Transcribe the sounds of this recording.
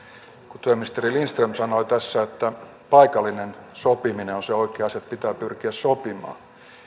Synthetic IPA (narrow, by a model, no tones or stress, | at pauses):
kut̪yeminist̪erilinst̪remsɑnoit̪æsːæet̪ːæ | pɑikɑlːinensopimineonseoikeːɑset̪pit̪æːpyrkiæssopimɑ̰ː